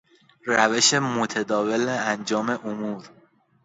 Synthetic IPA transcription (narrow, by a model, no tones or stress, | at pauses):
ræve̞ʃemot̪ʰed̪ɒːveleænd͡ʒɒːme̞ʔomuːɾ